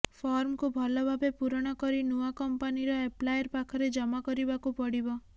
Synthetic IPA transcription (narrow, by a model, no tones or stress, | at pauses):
pʰɔɾmkubʱɔlɔbʱabepuɾɔɽ̃ɔkɔɾinuakɔmpaniɾɔeplajɔɾpakʰɔɾed͡ʒɔmakɔɾibakupɔɽibɔ